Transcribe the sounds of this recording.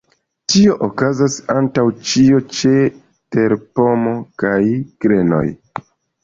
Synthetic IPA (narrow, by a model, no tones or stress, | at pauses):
tio̞ʔokazasantawt͡ʃio̞t͡ʃe̞ | te̞ɾpo̞mo̞kajkɾe̞no̞̰j